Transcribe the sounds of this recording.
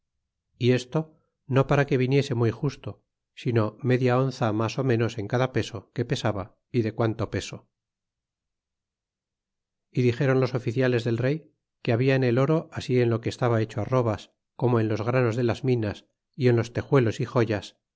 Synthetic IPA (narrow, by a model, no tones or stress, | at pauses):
ie̞st̪o̞ | no̞paɾake̞βinje̞se̞mujxust̪o̞ | sino̞me̞ðjao̞nθamaso̞mẽ̞no̞se̞ŋkaðape̞so̞ke̞pe̞saβa | iðe̞kwant̪o̞pe̞so̞ | iðixe̞ɾo̞nlo̞so̞fiθjale̞zðe̞lre̞j | ke̞aβiaene̞lo̞ɾo̞ʔasie̞nlo̞keːst̪aβae̞t͡ʃoaro̞βas | ko̞moenlo̞zɣɾano̞zðe̞lazmĩnas | ienlo̞st̪e̞xwe̞lo̞sixo̞ʝas